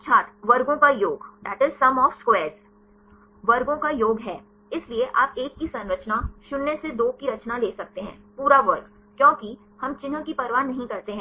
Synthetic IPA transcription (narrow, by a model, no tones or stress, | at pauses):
t͡ʃʰaːt̪ʋɐɾɡõkajoːɡd̪æːʈɪzsɐmɔːfskwɛːɾz | ʋɐɾɡõkajoːɡɦɛː | ɪslieʔaːpeːkːisɐ̃nɾət͡ʃnaʃʊnːesed̪oːkiɾɐt͡ʃnaleːsɐk̚t̪eɦɛ̰̃ːpuːɾaʋɐɾɡ | kjɔ̃ːki | hɐmt͡ʃɪnə̃kipɐɾʋaːnːɐɦĩkɐɾt̪eɦɛ̃ː